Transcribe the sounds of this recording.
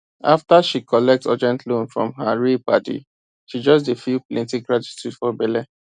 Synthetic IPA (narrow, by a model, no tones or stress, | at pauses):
aftaʃikʰɔlɛk̚tɔ̰d͡ʒɛ̃ntlõnfɹɔ̰̃mɦaɹipatḭ | ʃid͡ʒɔs̬defiplẽntĩkɹad͡ʒutɹisfɔbɛlɛ